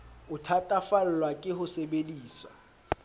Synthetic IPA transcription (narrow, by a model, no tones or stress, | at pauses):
ʊtʰatʼafal̩lwakʼɪhʊsɛbediːsa̰